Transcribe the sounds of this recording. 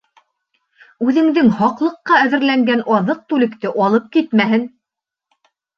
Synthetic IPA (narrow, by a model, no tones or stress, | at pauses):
ʉðɘ̆ŋðɘŋhɑqlˠɤ̆qːɑæðɘ̆ɾlæŋɡænʔɑðɤq̚t̪ʉlɘ̆kt̪ɘʔɑlˠɤp̚kit̪mæɦɘn